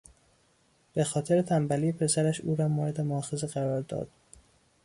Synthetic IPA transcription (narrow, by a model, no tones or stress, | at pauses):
b̥e̞xɒːt̪ʰe̞ɾe̞t̪ʰæmbæliːpʰe̞sæɾæʃuːɾɒːmoːɾed̪e̞moɒxezeɣæɾɒːɾd̪ɒ̰ːd̪̥